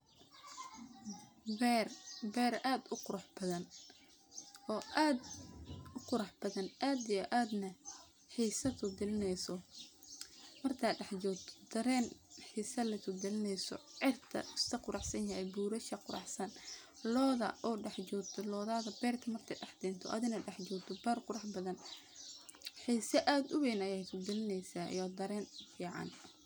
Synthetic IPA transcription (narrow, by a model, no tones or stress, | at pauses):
bɛrbɛːɾaːd̪ʊqʊɾɑħbɐðɐn | ɔːʔaːd̪ | ʊqʊɾɑħb̥ɐðɐnʔaːd̪ijɔʔaːd̪nɐ | ħiːsɐt̪ʰʊd̪ɪlɪnɛjsɔ | mɐrt̪ʰɐːɖɑħt͡ʃɔːt̪ʰd̪̥ɐɾɛːnħiːsɐlɐt̪ʰʊd̪ɪlɪnɛjsɔ̰ʕɪrt̪ʰɐ̰ʊst̪ʰɐqʊɾɑħsɐnjɐhɛjbuːɾɐʃɐqʊɾʔɑ̰ħsɐn | lɔːðɐ̰ʔɔːɖɛħt͡ʃɔːɡt̪ʰɔlɔːðaːðɐbɛːrt̪ʰɐmɐrt̪ʰɐɖɑħd̪ɛːnt̪ʰɔʔɐ̰ðɪnɐɖɛħd͡ʒɔːɡt̪ʰɔbarqʊɾɑħbɐðɐn | ħiːsɐʔaːd̪ʊβɛːnɐjɛjt̪ʰʊd̪ɪlɪnɛjsa̰ːjɔːd̪ɐɾɛːnfiːʕɑ̰n